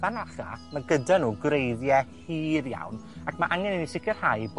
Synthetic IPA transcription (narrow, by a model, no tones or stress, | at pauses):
anaχa̰maɡədanuːɡrejðjɛhiːðja̰wnakʰmaʔaŋɛnənisɪkʰərhajb